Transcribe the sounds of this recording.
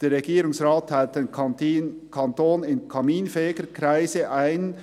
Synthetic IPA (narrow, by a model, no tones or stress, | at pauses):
d̥eːɾʁeɡiːɾʊŋsʁaːtʰːaɪlt̚d̥en | kʰɑntoːnɪnkʰɑmiːnfɛːɪɡ̥əkɾaɪsəʔaɪn